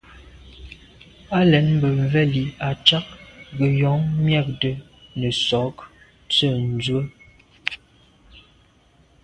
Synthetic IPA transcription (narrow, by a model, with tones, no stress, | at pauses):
a˦lɛ˨˦nm̩˦bə˨ɱ˨vɛ˦li˨a˨t͡ʃa˦k̚ɡə˨jɔ˨˦ŋmjɛ˦˨k̚də˨ | nə˨sɔ˨˦k | t͡sə˦˨n̩˨˦d͡zwə˦